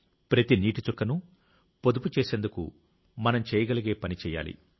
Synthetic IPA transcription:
pɾɐt̪iniːʈit͡ʃɔkːɐnu | po̞d̪uput͡ʃeːseːnd̪ukṵ | mɐnɐmt͡ʃɛːjɐɡɐlɐɡe̞ːpɐnit͡ʃɛːja̰ːlḭ

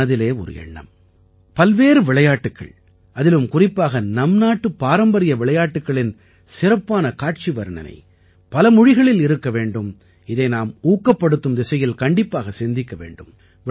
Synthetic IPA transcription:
ɐðɪleːɔ̰ɾɯ̰ɛ̰ɳːɐ̰m | pɐlʋeːɾɯʋɪɭɐjaːʈːɯkːɐ̰ɭ | ʔɐðɪlɯmkʊrɪpːaːɣɐnɐmnaːʈːɯpːaːɾɐmbɐɾɪjɐʋɪɭɐjaːʈːɯkːɐɭɪn | sɪɾɐpːaːnɐkaːʈ̚t͡ʃiʋɐɾɐɳɐ̰nɐ̰ɪ | pɐlɐmʊɻɪɣɐɭɪlɪɾɯkːɐʋeːɳɖɯm | ɪðɐɪnaːmuːkːɐpːɐɽɯt̪ːɯmd̪ɪsɐjɪlkɐɳɖɪpːaːɣɐsɛnd̪ɪkːɐʋḛːɳɖɯm

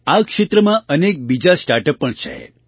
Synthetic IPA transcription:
akʃet̪ɾəmãənek̚bid͡ʒasʈaɾʈəpːəɳt͡ʃʰḛ

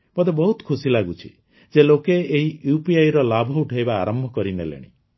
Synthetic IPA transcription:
pɔd̪ebɔɦut̪kʰusilaɡut͡ʃʰi̥ | d͡ʒelokeeɦijupiajɾɔlabʱɔuʈʰajbaːɾɔmbʱɔkɔɾinelḛɽ̃ḭ

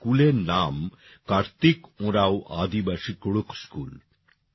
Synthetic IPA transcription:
kulenaːm | kaɾt̪ikõɾawʔa̰ːd̪ibaʃikuɽukskṵːl

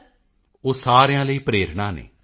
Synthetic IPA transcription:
oːsaːɾejãːləiːpɾeːɾɳaːnḛː

